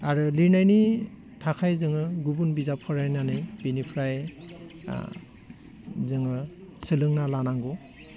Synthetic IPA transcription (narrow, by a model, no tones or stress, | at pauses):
aɾɯlinajni | tʰakʰajzɯŋɯɡubunbizapʰɔɾajnanɯjbinipʰɾaj | zɯŋɯ | sɯlɯŋnalanaŋɡɔ